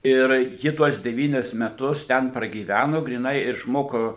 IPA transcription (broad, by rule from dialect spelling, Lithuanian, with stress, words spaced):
ɪr ˈjɪ tuɔs dʲɛˈʋʲiːnʲɪs mʲɛˈtʊs ˈtʲɛn prɐɡʲiːˈʋʲænoː ɡrʲiːˈnɐɪ ɪʃˈmoːkoː